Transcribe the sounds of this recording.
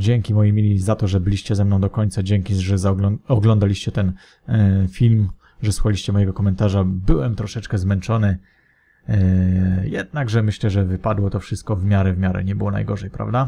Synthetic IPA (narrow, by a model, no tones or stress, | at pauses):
d͡ʑɛŋkʲimɔjimʲilʲizat̪ɔʐɛbɘlʲiɕt͡ɕɛzɛmnɔ̃w̃d̪ɔkɔɲt̪sad͡ʑɛŋkʲiʐɛzaɔɡlɔnd̪alʲiɕt͡ɕɛt̪ɛn | fʲilm | ʐɛswuxalʲiɕt͡ɕɛmɔjɛɡɔkɔmɛnt̪aʐabɘwɛmt̪ɾɔʂɛt͡ʂkɛzmɛnt͡ʂɔnɘ | jɛd̪̚naɡʐɛmɘɕlɛʐɛvɘpad̪wɔt̪ɔfʂɘst̪̚kɔvmʲjaɾɛvmʲjaɾɛ̰ɲɛbɘwɔna̰jɡɔʐɛjpɾa̰vd̪a